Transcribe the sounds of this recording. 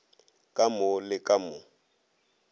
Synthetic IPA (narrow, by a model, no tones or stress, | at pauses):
kʼamʊlɪkʼamʊ